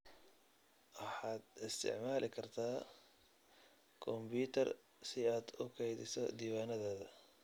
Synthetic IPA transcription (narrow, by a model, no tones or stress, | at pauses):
ʔɑħɑːd̪ɪst̪ʰɪ̰ʕmaːlʔɪkʰɐrt̪ʰaː | kʰɔmbuːt̪ʰɐ̰r | sɪaːd̪ʊkʰɛjðɪsɔ̰d̪iːwaːnɐðɛːðɐ